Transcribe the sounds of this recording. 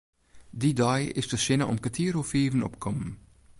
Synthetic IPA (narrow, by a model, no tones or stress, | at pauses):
didɑjɪsdəʃɪnɐʔʊ̰mkatʰiːɾofiːvənɔ̰pkʰɔmən